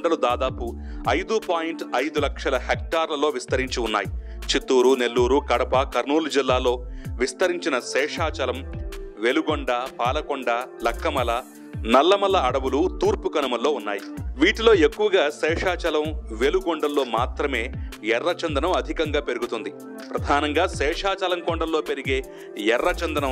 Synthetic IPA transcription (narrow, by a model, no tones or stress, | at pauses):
ɖɐlud̪aːd̪aːpu | ɐjd̪upaːjiɳʈɐjd̪ulɐkʂɐlɐhek̚ʈaːɾlɐlo̞ːʋist̪ɐɾiɲt͡ʃiunːa̰ːji | t͡ʃit̪ːuːɾune̞lːuːɾukɐɽɐpɐkɐɾnuːlud͡ʒilːaːlo̞ːʋist̪ɐɾiɲt͡ʃinɐsɛːʂaːt͡ʃɐlɐmʋe̞luɡoɳɖaːpaːlɐkoɳɖalɐkːɐmɐlɐ | nɐlːɐmɐlːɐːɽɐʋulut̪uːɾpukɐnɐmɐlːo̞ːunːaːjiʋiːʈilo̞ːe̞kːuʋɐɡaːsɛːʂaːt͡ʃɐlɐmʋe̞luɡoɳɖɐlːo̞ːmaːt̪ɾɐme̞ːjɛrːɐt͡ʃɐnd̪ɐnɐmɐd̪ʱikɐŋɡaːpe̞ɾuɡut̪und̪i | pɾɐd̪ʱaːnɐŋɡaːsɛːʂaːt͡ʃɐlɐmkoɳɖɐllo̞ːpe̞ɾiɡe̞ː | jɛrːɐt͡ʃɐnd̪ɐnɐm